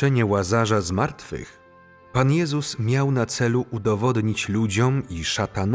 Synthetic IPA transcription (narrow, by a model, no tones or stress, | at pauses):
ɛɲɛwazaʐazmaɾt̪fɘ̰x | panjɛzusmʲjawnat̪sɛluʔud̪ɔvɔd̪ɲit͡ɕlud͡ʑɔmiʂat̪an